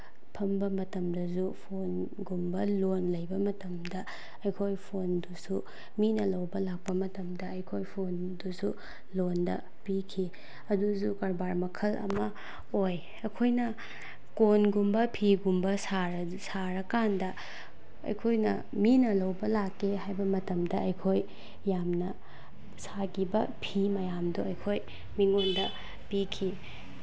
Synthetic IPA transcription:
pʰɐmbɐmɐtɐmdɐsupʰon | ɡumbɐlonlɐjbɐmɐtɐmdɐ | ɐjkʰojpʰondusu | minɐlɐwbɐlak̚pɐmɐtɐmdɐɐjkʰojpʰon | dusu | londɐ̰ | pikʰi | ɐduzukɐɾbaɾmɐkʰɐlɐ̰mɐ | oj | ɐkʰojnɐ | konɡumbɐpʰiɡumbɐsaɾɐ | saɾɐkandɐ | ɐ̰jkʰojnɐ̰ | minɐlɐwbɐlakːeɦajbɐmɐtɐmdɐɐjkʰojː | amnɐ | saɡibɐpʰimɐjamduɐjkʰoj | miŋondɐ | pikʰi

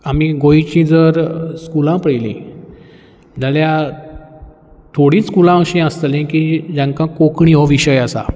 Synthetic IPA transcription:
amiɡoit͡ɕĩd͡zəɾskulãpəɽilḭ̃ | d͡zalja | t̪ʰoɽiːskulãəɕẽəst̪lẽkiːd͡ʑãŋkãkokɳĩɦɔʋiɕəjasa̰

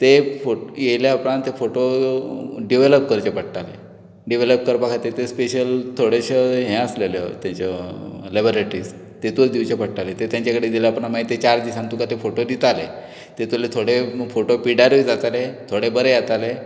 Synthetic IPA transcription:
t̪efojejljaapɾãnt̪ːefoʈo | ɖiʋeləp̚kəɾt͡ɕepəʈʈale | ɖiʋeləp̚kəɾpakʰat̪et̪espeɕəlt̪ʰoɽeɕəɦɛ̃əslelə̰t̪jãɲt͡ɕalebəɾeʈɾiːs | t̪et̪ukd̪iwt͡ɕepəɽʈalet̪et̪jãɲt͡ɕakəɽed̪iləapɳamaɦit̪et͡ɕaɾd̪isãnt̪ukat̪efoʈod̪it̪ale | t̪et̪ulet̪ʰoɽefoʈopiɽaɾəid͡zat̪alet̪ʰoɽebəɾejat̪ale

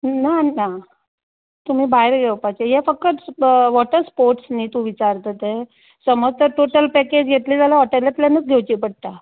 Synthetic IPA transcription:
nana | t̪um̤iːbaɦeɾɡʱewpat͡ɕejefəkːət̪ʋɔʈəɾspoɾʈsniːt̪ũʋit͡ɕaɾt̪ət̪e | səməd͡zt̪əɾʈoʈəlpɛked͡ʑɡʱet̪liːd͡zalaʋɔʈəlat̪ljanət͡sɡʱewt͡ɕipəɽ̚t̪a

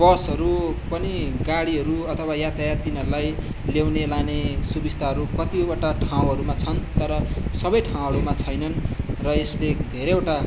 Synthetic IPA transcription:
bʌsʌɾupʌniɡaɽiʌɾuʌt̪ʰʌwajat̪ajat̪inʌɾulaj | lewnelanesubist̪ʰaɦʌɾukʌt̪iobaʈaʈʰaw̃ɦʌɾumat͡sʰʌnt̪ʌɾʌsʌbʌjʈʰaw̃ɦʌɾumat͡sʰʌjnʌnrʌesled̪ʱeɾeeʈa

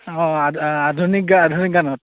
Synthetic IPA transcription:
ɔ̃aadʱunikadʱunikɡanɔt

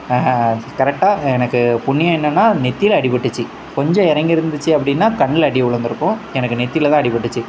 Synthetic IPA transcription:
kɐɾɛk̚ʈaːɛnɐkːɯpʊɳːɪjɐ̃ɪnːɐnːaːnɛt̪ːɪjlɐɽɪpɐʈːɯt͡ʃːɯ | kɔɲd͡ʒɔ̃ɪɾɐŋɡɪɾɯnd̪ɯt͡ʃːɯɐpːɐɽɪnːaːkɐɳːɪlɐɽɪjʊɭɐnd̪ɯɾɯkːʊ̃ɛnɐkːɯnɛt̪ːɪjɪlt̪ãːɐɽɪpːɐʈːɯt͡ʃːɯ

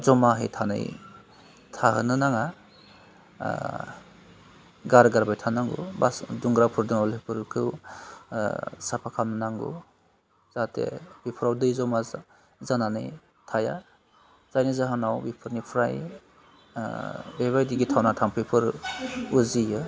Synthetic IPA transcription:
zɔmaɦḛjtʰanɯ̰j | tʰaɦɯ̰nɯnaŋa | ɡaɾɡaɾbajtʰanaŋɡṵba̰sduŋɡɾapʰɯɾdɯŋɔlepʰɯɾkʰɯw | sapʰakʰamnɯnaŋɡṵ | z̥atʰḛbipʰɯɾawdɯjzɔma | zananɯ̰j | tʰaja̰ | zajnizaɦɯnawbipʰɯɾnipʰɾaj | beβajdiɡitʰawnatʰaŋpʰɯpʰɯɾuzijɯ

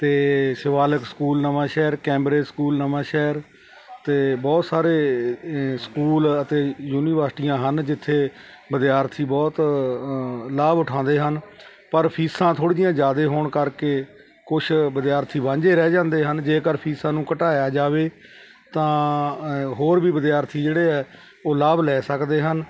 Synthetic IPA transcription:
t̪eːsɪʋaːləkskuːlnəʋãːʃɛːɾkɛ̃ːmɾeːskuːlnəʋãːʃɛːɾ | t̪eːbɔːt̪saːɾeː | skuːlət̪eːjuːniːʋəɾsʈijãːɦənd͡ʒɪt̪ʰːeː | bəd̪jaːɾt̪ʰiːbɔːt̪ | laːbʊʈʰãːnd̪eːɦən | pəɾpʰiːsãːt̪ʰoːɽiːjãːd͡ʒaːd̪eːɦoːɳkəɾkeː | kʊt͡ʃʰbəd̪jaːɾt̪ʰiːbãːɲd͡ʒeːɾɛːd͡ʒãːnd̪eːɦənd͡ʒeːkəɾpʰiːsãːnũːkəʈaːjaːd͡ʒaːʋeː | t̪ãː | ɦoːɾbiːbəd̪ɪjaːɾt̪ʰiːd͡ʒeːɽeːɛː | oːlaːblɛːsəkd̪eːɦən

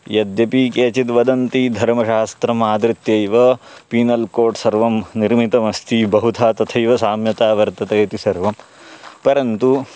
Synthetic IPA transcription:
jɐd̪jɐpikeːt͡ʃit̪ʋɐd̪ɐnt̪id̪ʱɐɾmɐʃaːst̪ɾɐmaːd̪ɾit̪jɐjʋɐ | piːnɐlkoːʈsɐɾʋɐmniɾmit̪ɐmɐst̪ʰibɐɦut̪ʰaːt̪ɐt̪ʰɐjʋɐsaːmjɐt̪aːʋɐɾt̪ɐt̪ɐt̪isɐɾʋɐm | pɐɾɐnt̪u

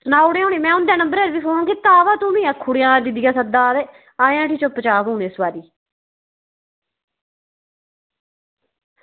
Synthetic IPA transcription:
sənaːuɽẽːõːneːmɛ̃ːʊnd̪ɛːnəmbəɾəɾʋiːpʰoːɳkɪt̪ːaːʋaːt̪ũːmĩːakʰːʊːɽejãːd̪ɪd̪ɪjãːsəd̪aːɾeː | aːjãːʈʰiːt͡ʃopːət͡ʃaːbũːneːsbaːɾiː

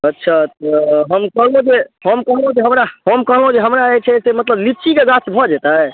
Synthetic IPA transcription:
ətːʃʰat̪ɔɦəmkəɦlõd͡ʒehəmkəɦlõd͡ʒeɦəmɾaɦəmkəɦlɦõd͡ʒeɦəmɾaet͡ʃʰɛsemət̪ləblipt͡ʃikeɡasbʱɔd͡ʒɛt̪aɛ

